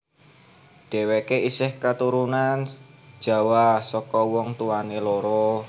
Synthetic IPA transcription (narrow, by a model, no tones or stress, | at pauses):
ɖ̥e̤wekeisɪhkat̪uɾunan̥ | ʒ̥a̤wasɔkɔwɔŋt̪uwaneloɾɔ